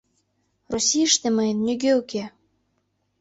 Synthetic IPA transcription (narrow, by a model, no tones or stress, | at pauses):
rosʲijəʃt̪ĕməjənːyɣøuke